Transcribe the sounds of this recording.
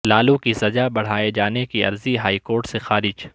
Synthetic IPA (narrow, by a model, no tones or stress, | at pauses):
laːlũkisɐd͡ʒabɐɽ̤aːed͡ʒaːnekiɐ̰ɾziɦaːikoːɾʈsexaːɾɪd͡ʒ